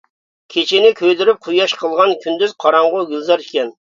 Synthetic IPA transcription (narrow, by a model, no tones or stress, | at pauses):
kʲʰet͡ʃʰɪnɪkʲʰøjd̪yɾyp̚qʰujɑʃqʰəlˠʁɑnkʲʰynd̪yz̥qʰɑɾɑɴʁʊɡʲylˠzɑɾikʲɛn